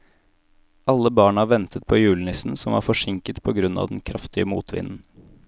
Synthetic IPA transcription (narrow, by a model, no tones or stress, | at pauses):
ʔɑlːəbɑːɳɑːʋɛnt̪ʰət̪̚pʰoːjʉːln̩ɪsn̩sɔmʋɑ̰ːɾfɔʂɪŋkət̪pʰɔːɡɾʉnɑ̰ːʋd̪ɛn̩kʰɾɑft̪ɪəmuːt̪ʰʋɪ̰nn̩